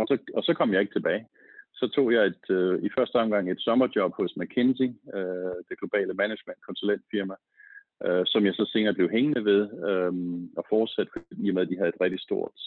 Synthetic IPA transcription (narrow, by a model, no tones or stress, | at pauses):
ɒ̽sɒ̽ɒ̽sɒ̽kʰɒ̽m̰jɑ̈ɪe̝ɡ̥t͡sʰe̝b̥ɛːɪ | sɒ̽t͡sʰo̝̰ːjɑ̈ɪe̝d̥ifɶɐsd̥əɒ̽mɡ̥ɑ̈ŋ̰e̝d̥sɒ̽mɐd̥jɒ̽b̥hɔ̽smækʰensiød̥e̝ɡ̥lo̝b̥ɛ̰ːləmæne̥men̰d̥kʰɒ̽nsulen̰d̥fiɐmæ | ʔøsɒ̽mjɑ̈ɪsɒ̽se̝ːnɐːb̥le̝ʊɦeŋənəʋe̝ð̞ˠøɒ̽fɒːd̥sæd̥fʰd̥ḭɐmeð̰ˠd̥iɦæð̩ˠe̝d̥ʁɛɡ̥d̥isd̥o̝ɐ̰d̥